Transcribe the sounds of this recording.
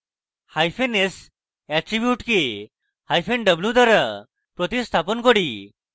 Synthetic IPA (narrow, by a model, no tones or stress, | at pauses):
hajpʰenes | ɛʈɾibjuʈke | hajpʰenɖəblud̪aɾa | pɾɔt̪ist̪ʰapɔnkɔɽi